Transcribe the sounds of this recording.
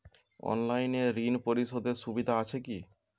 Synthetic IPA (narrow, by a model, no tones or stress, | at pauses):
ɔ̰nlajneɾinpoɾiʃod̪eɾʃubid̪ʱaat͡ɕʰeki